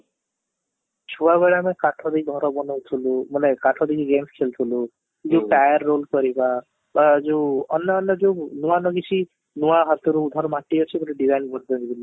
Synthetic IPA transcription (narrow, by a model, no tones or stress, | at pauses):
t͡ʃʰuaβɛɽamẽkaʈʰɔd̪iɡʱɔɾɔbɔnɔwt̪ʰulumunekaʈʰɔd̪ikiɡemskʰelt̪ʰulu | d͡ʒeʈajəɾːolkɔɾiba | bad͡ʒeɔnjɔːnjɔd͡ʒonuanɔɡit͡ʃʰi | nuwaɦat̪ɔɾuːd̪ʱɔɾmaʈːiɦɔt͡ʃʰibuʈiɖizajɳɖbʱɔʈd̪ɔɦid̪ilu